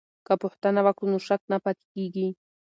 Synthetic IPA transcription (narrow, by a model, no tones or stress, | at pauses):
kapoht̪anaβakʊnʊʃak̚napat̪ɪ̥kijki